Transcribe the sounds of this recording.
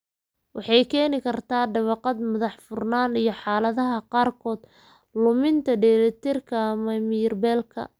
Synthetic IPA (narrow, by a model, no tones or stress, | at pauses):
wɑħɑjkʰɛːnɪkʰɐrt̪ʰaːɖɐβɑqɑd̪mʊðɑħfʊrnaːnijɞħɑːlɐðɐɦɐqɑːrkʰɔːd̪ | lʊmɪnt̪ʰɐɖɛɾɛt̪ʰɪrkʰɐmɐmɪrbɛːlkʰɐ̰